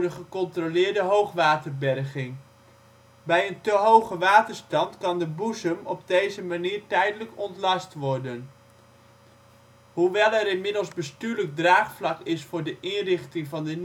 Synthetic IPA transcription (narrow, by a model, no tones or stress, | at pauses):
dəχəkɔntrolɪːɹdəɦowχʋaːtərbɛɹχɪŋ | bɛjəntəɦowχəʋaːtəɹstɑntkɑndəbuzəmɔb̚dejzəmaniːɹtɛjdələkɔntlɑstʋɔɹdən | ɦuʋɛlˠɛɾɪnmɪdəlˠzbəstyːɹləɡ̚draːχflɑkɪsfʊːɹdəʔɪnrɪχtɪŋvɑndə